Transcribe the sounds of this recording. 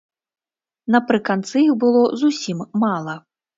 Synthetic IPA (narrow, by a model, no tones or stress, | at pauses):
nɐpɾɨkant̪sɨjixbɨlˠɔzusʲimːalˠɐ